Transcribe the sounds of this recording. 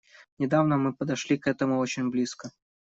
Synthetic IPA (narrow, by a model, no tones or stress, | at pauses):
nʲɪd̪avnəmɨpəd̪ɐʂlʲikɛt̪əmʊot͡ɕɪnʲblʲiskə